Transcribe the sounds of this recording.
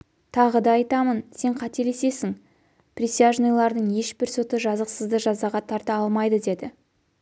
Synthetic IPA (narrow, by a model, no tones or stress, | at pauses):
t̪ʰɑʁəd̪ɑɑjt̪ɑmənse̞ɴqʰɑt̪e̞ɾe̞se̞sɪŋ | prʲisijaʒnojlˠɑɾd̪əɴje̞ʃbɪɾso̞t̪əʒɑzəqsəzd̪əʒɑzɑʁɑt̪ʰɑɾt̪ɑɑlˠmɑjd̪əd̪e̞d̪ɪ